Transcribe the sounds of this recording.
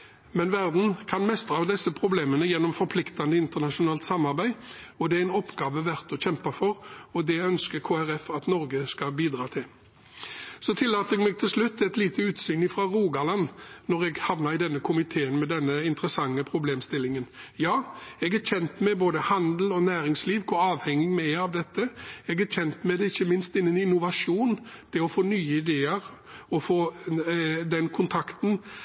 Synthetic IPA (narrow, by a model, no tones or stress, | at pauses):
mɛnʋæʁd̪n̩kʰɑnmɛst̪ʁɑɑʋd̪ɛsːəpʰʁʊbleːmənəjɛnːɔmfɔɾpʰlɪkt̪ɑnd̪əɪnt̪əʁnɑʂʊnɑːlt̪sɑmːɑʁbæɪɔd̪ɛæɛnɔpːɡɑːʋəʋæʁt̪ɔçɛmpɑfɔʁɔd̪ɛœnskəkʰoːæʁɛfɑt̪nɔɾɡəskɑbiːd̪ʁɑːt̪ʰɪl | sɔt̪ʰɪlːɑːt̪əɛɡmɛːɡ̚t̪ʰɪlslʉt̪ʰːɛt̪liːt̪ʰəʉːt̪syːnɪfɾɑːʁuːɡɑlɑnnɔʁɛɡhɑʋnɑɾɪd̪ɛnːəkʰʊmɪt̪ʰeːənmɛd̪ɛnːəɪnt̪ɾəsɑŋːəpʰɾʊbleːmst̪ɪlːɪŋənjɑːɛɡæçɛnt̪mɛɪboːd̪əhɑnd̪l̩ɔnæːɾɪŋsliːʋkʰʊɑːʋhɛŋːɪmɛɑʋd̪ɛt̪ːəɛɡæçɛnt̪mɛɪd̪ɛɪçːəmɪnst̪ɪnːənɪnʊʋɑʂuːnt̪ʰɪlɔfoːnyːəɪd̪eːəɾ | ɔfoː | d̪ɛnkʰʊnt̪ʰɑkt̪n̩